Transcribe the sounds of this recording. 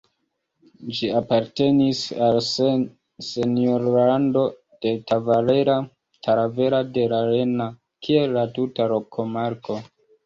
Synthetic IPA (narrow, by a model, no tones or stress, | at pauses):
d͡ʒiapaɾte̞nisals | se̞nioɾlando̞ | d̥e̞tavale̞ɾa | tʰaɾave̞ɾade̞ɾaɾe̞na | kʰie̞lːatutaɾo̞kʰo̞maɾko̞